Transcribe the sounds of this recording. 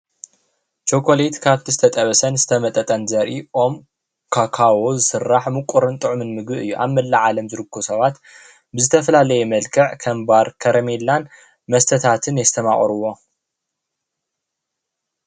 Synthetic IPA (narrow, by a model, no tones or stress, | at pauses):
t͡ʃokʰo̞let̪kʰaβt̪ʰizɨt̪ʰɐt̪ʼɐβɐsɐnzɨt̪ʰɐmɐt̪ʼɐt̪ʼɐnzɐɾʔiʔo̞m | kʰakʰawozɨsɨrːaħmɨkʷʼuɾɨnt̪ʼɨʕumɨnmɨɡbɨɨjːuʔa̰βmɐlːaʕalɐmzɨɾɨkːusɐβat̪ | bɨzɨt̪ʰɐfɐlalɐjɛmɐlkʰɐʕkʰɐmbaɾkʰɐɾɐmelːan | mɐst̪ʰɐt̪ʰat̪ʰɨnjɛst̪ʰɐma̰χʼɾuwo̞